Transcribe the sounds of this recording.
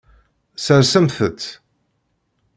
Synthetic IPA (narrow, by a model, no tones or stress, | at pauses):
səɾsəmθət̪ː